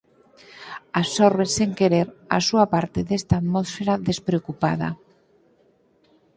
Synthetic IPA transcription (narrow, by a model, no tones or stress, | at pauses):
asɔɾβeseŋkeɾeɾa̰suapaɾt̪eðest̪at̪mɔsfeɾaðespɾeokupaðɐ̰